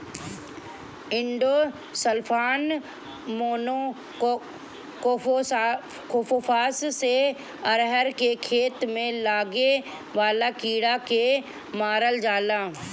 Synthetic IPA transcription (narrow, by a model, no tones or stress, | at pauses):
ɪ̃ɳɖoː | səlpʰaːn | moːno | koːo | koːpopʰaːsse | əɾɦəɾkekʰeːt̪mẽlaːɡe | ʋaːlakiːɽake | maːɾəld͡ʒaːlaː